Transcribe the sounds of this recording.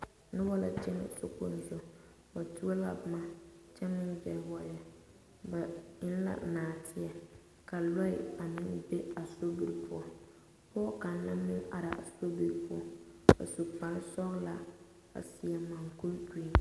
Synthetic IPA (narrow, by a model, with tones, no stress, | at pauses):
nʊ˦bɔ˦la̰˨t͡ʃɛ˦nɪ̰˨sʊ˦kʊ˨n˨zʊ˦ | ba˨tu˦a˦la̰˨bma˦t͡ʃɛ˦mɪ˦n˦d͡ʒɛ˨˦wɔ˦jɛ˦ | ba˨ɪ˦n˦la̰˦naː˨tʰɪ˦ɛ˨ | ka˨lɔ˦ɪ˦˨a˨mɪ˦n˦be˦a˨so˦bi˨ɾi˦pʰʊ˦ɔ˨ | pʊ˦ka˨n˦la˦mɪ˦a˨ɾa˨a̰˨so˦bi˨ɾpʰʊ˦ɔ˨a̰˨su˨k͡pa˨lsɔ˦ɣla˦ | a̰˨sɪ˨ɛ˨ma˨ŋku˦ltu˦i˦